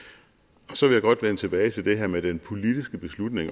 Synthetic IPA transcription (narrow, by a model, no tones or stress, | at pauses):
ɒ̽sɒ̽ʋe̝ljäɪɡɒ̽d̥ʋen̰ət͡sʰe̝b̥ɛːɪt͡sʰe̝ld̥e̝ɦæɐmed̥enpʰo̝lid̥isɡ̥əb̥e̝slud̥ne̝ŋ